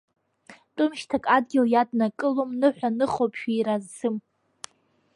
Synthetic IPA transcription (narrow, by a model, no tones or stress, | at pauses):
tʼʊmʃtʰakʼadɡʲɪljadnakʼɨlomnɨħʷᶣanɨχopʼʰʃᶣiɾazsɨm